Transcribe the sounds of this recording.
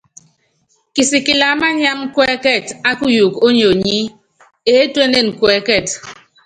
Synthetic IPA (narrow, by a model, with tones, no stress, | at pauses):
ki˨si˨ki˨la˨˦ma˦ɲ˦a˦ŋ˦kɛ˦kɛ˦˨ta˦ku˦ju˨ko˦ɲo˨ɲi˦ | e˨˦twe˦ne˦˨n̩˨kwɛ˨˦kɛ˦˨t